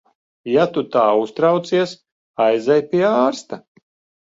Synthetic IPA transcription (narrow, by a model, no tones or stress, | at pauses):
jat̪ut̪aːust̪ɾawt̪siɛs | ajzɛjpʲiɛaːɾst̪a